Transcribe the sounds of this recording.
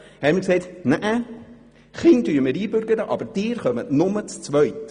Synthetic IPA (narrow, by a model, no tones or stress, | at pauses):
hɛmikseɪtnæʔə | χɪndyːməɾiːbʏɾɡəɾəʔɑ̰bəɾd̥ɪːɾχœmətnʊmət͡st͡sʋœɥt